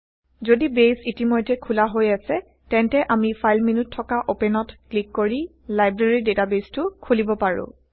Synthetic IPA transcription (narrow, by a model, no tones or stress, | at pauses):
zodibesitimojtːɛkʰulaɦojasɛ | tɛntɛʔamipʰajlminutʰːɔkaʔopɛnɔtklikːoɹi | lajbɹeɹidetabestʊkʰulibɔpaɹʊ̰̃